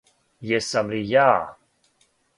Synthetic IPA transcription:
jɛsamlija

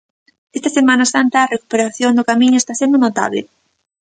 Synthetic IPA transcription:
est̪asemanasant̪aːreku̥peɾaθjond̪okamĩɲoest̪asend̪onot̪a̰βlḛ

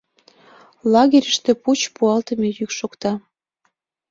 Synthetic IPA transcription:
lɑɣʲeɾʲəʃt̪ĕput͡ɕpuɑlt̪ə̆mejykʃokt̪ɑ

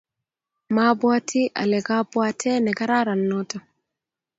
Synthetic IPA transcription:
mabwatʰiʔa̰lɛɡabwatʰɛnɛɡaɾaɾanːɔtɔ

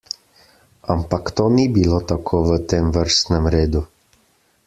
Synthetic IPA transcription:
ampakt̪oːnibilot̪akʰoːʋət̪eːmʋəɾst̪nɛmɾeːd̪u

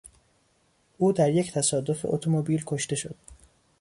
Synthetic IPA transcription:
ʔuːd̪æɾje̞ct̪ʰæsɒːd̪o̞feʔot̪ʰomobiːlkʰo̞ʃt̪e̞ʃo̞̰d̪̥̚

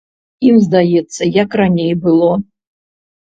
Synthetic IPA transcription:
imzd̪ajɛt̪sːɐjakranʲejbɨlˠɔ

